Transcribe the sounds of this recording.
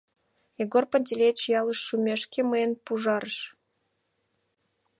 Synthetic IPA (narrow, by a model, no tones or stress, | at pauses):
eɡorpə̆nʲt̪ʲelʲet͡ɕjɑləʃːumʲeʃkʲeməenpuʒɑɾəʃ